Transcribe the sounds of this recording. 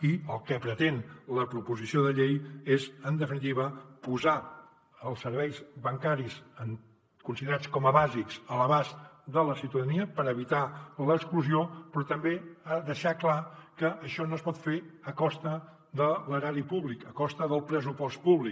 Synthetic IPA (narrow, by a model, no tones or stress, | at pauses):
iəlˠkəpɾət̪enləpɾupuzisioðəʎejezənd̪əfinit̪̬iβəpuza | əlˠsːəɾβɛjzβəŋkaɾisəŋ | kunsiðəɾat͡skɔməβazikz̥ələβazd̪ələsiwt̪əðəniəpəɾəβit̪aləkskluziopɾɔt̪əmbeaðəʃaklakəʔːʃɔnoəspɔt̪feəkɔst̪ə | ðələɾaɾipuβlikəkɔst̪əðəlˠpɾəsupɔst̪puβlik